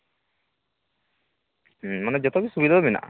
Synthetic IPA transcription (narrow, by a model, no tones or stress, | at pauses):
maned͡ʒɔt̪ɔbisubid̪ʱɔbina̰ʔ